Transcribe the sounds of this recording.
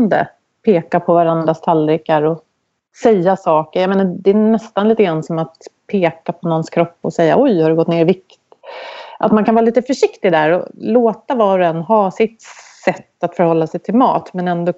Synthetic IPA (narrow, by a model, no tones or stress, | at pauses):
nd̪ə̰ | pʰeːkapʰɔvaɾand̪ɾast̪ʰalɾɪkaɾɔ | sɛjːasɑːkəɾjameːnad̪ɛːnɛst̪anliːt̪əɡɾansɔmat̪pʰeːkapʰɔnɔnskʰɾɔpːɔsɛjːa̰ʔɔjhaɾɵɡɔt̪ːneːɾɪvɪkt̪ | ʔat̪mankʰanvːɾaliːt̪əfœʂɪkt̪ɪd̪æɾɔ̰loːt̪avɑːɾɔɛnːɦɑːsɪt̪sɛt̪ːat̪fœɾhɔlːasɛjt̪ʰɪlmɑ̰ːt̪mɛnɛnd̪o